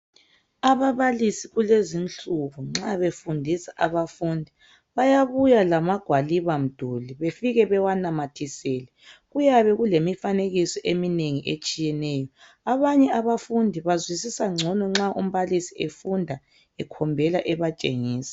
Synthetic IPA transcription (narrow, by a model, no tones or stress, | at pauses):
aβaβalisiɣulezint͡ɬʼuβuŋ͡ǁaβefundʱisaʔaβafundʱi | βajaβujalamaɡ̥ʱwaliβam̩d̥ʱuliβefiɣɛβɛwanamatʰisɛːlɛɣujaβɛɣulemifaneɣisɔʔemineŋiʔet͡ʃʼijɛnɛːjɔ | aβaɲɛaβafundʱiβazwisisaŋ͡ǀʱɔnɔŋ͡ǁaʔum̩βalisiefundʱa | ɛkʰɔmbʱɛlaʔɛβat͡ʃʼḛŋiːsḁ